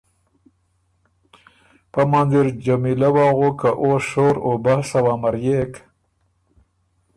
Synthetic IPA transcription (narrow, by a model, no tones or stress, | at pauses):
pamanziɾd͡ʒamilawɑɣokaʔoʃoɾobasawaːmaɾjek